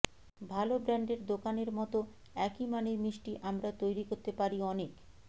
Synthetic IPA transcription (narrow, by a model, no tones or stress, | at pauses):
bʱalobɾaɳɖeɾd̪okaneɾmɔt̪o | ɛkimanemiʃʈiʔamɾat̪ojɾikoɾt̪epaɾiɔnek